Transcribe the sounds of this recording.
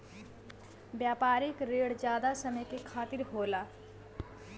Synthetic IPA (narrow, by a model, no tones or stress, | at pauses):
bjapaɾikɾeɽd͡ʒjad̪asəməjkekʰat̪iɾɦola